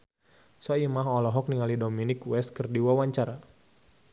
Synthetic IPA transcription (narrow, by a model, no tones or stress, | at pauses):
saimaɦɔlɔɦɔk̚niŋalidominɪkwɛskərdiwawaɲt͡ʃaɾa